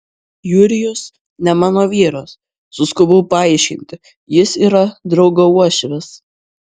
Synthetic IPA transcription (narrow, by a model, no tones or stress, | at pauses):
jʊɾʲɪjʊs | nʲɛmɑːnoːʋʲiːɾoːsː | ʊskʊbʊʊpɐɑˑɪʃʲkʲɪ̰nʲt̪ʲɪ | jɪsiːɾɐd̪ɾɒʊɡoːuɔʃʲʋʲɛs